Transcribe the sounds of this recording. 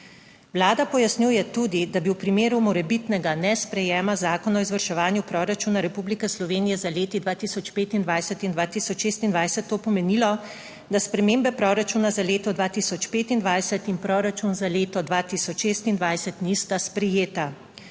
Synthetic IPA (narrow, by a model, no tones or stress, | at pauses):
wlaːd̪apɔjasnʲjujɛt̪ud̪id̪abiwpɾimeːɾumɔɾɛbit̪nɛɡanɛspɾɛjɛːmazaːkɔnɔizʋəɾʃɛʋaːnjupɾɔɾat͡ʃuːnaɾɛpublikɛslɔʋeːnijɛzaleːt̪id̪ʋaːt̪isɔt͡ʃpeːt̪ind̪ʋajsɛt̪ind̪ʋaːt̪isɔt͡ʃʃeːst̪ind̪ʋajsɛt̪ːoːpɔmɛnilɔ | d̪aspɾɛmeːmbɛpɾɔɾat͡ʃunazaleːt̪ɔd̪ʋaːt̪isɔt͡ʃpeːt̪ind̪ʋajsɛt̪inpɾɔɾat͡ʃunzaleːt̪ɔd̪ʋaːt̪isɔt͡ʃʃeːst̪ind̪ʋajsɛt̪nist̪aspɾɛjeːt̪a